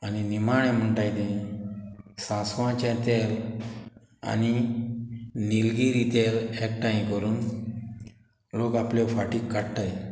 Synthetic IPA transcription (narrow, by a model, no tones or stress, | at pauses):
aninimaɳ̃ẽm̤əɳt̪ajt̪ĩ | sãsʋãt͡ɕãt̪el | a̰ni | nilɡiɾit̪elek̚ʈaimkəɾuːn | lokaplefaʈiːkːaɽt̪aj